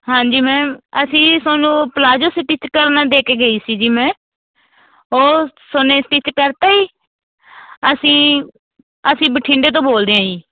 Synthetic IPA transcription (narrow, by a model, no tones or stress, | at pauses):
ɦãːɲd͡ʒiːmɛ̃ːəsĩːsaːnũːpəlaːd͡ʒoːsɪʈɪt͡ʃkəɾnaːd̪eːkeːɡəiːsiːd͡ʒiːmɛ̃ː | ɦoːsʊneːsʈɪt͡ʃkəɾt̪aːiː | əsĩː | əsĩːbəʈʰĩːɳɖeːt̪õːboːld̪eːãːiː